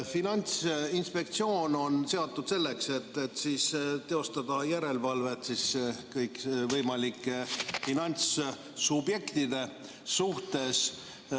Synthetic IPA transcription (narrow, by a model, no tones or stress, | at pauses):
finɑnʲt̪sinspe̞k̚t̪sio̞ːno̞nse̞ɑt̪ːud̪̥se̞lːe̞kse̞t̪ːet̪ːsist̪e̞o̞st̪ɑd̪̥ɑjæɾe̞lvɑlve̞t̪siskɤjkvɤjmɑlikːˑefinɑnʲt̪s | subje̞kt̪id̪̥e̞ | suht̪e̞s